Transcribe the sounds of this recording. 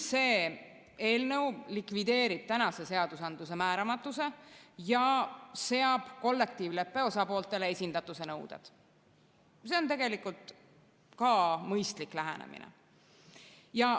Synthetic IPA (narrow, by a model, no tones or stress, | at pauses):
se̞ː | e̞ːlnewlikvid̪e̞ːɾib̥̚t̪ænɑse̞se̞ɑd̪̥usɑnd̪̥use̞mæːɾɑmɑt̪ːˑuse̞jɑse̞ɑb̥ko̞lːe̞k̚t̪iːvle̞pːe̞o̞sɑpo̞ːlt̪ːˑe̞lee̞sʲind̪̥ɑt̪ːˑuse̞nɤwd̪̥ḛd̪̥ | se̞o̞nt̪e̞ɡ̥e̞likult̪ | kɑmɤjst̪liklæɦæ̰nḛmʔḭnḛ | jɑ